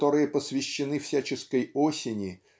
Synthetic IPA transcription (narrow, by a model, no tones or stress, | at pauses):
t̪o̞ɾɨjəpəsvʲɪɕːɪnɨfsʲæt͡ɕɪskəjosʲɪnʲɪ